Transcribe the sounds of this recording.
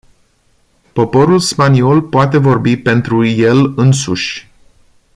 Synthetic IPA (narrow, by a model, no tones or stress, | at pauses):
po̞po̞ɾulspanio̞lpoat̪e̞vo̞rbipe̞nt̪ɾuje̞lɨnsuʃʲ